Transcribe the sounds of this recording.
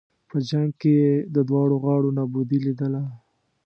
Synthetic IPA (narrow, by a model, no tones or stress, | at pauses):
pəd͡ʒaŋɡ̚kejed̪əd̪wɑɽoɣɑɽonɑbud̪ilid̪əla